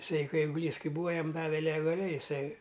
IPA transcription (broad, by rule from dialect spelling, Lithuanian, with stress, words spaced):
ɪˈsɐɪ ˈkɐɪ ɛɪɡʊˈlʲiːs ˈkɐɪ ˈbuːɐ ˈjɛm ˈdɑːʋʲɛ lʲɛɡɐˈlʲɛɪ ɪˈsɐɪ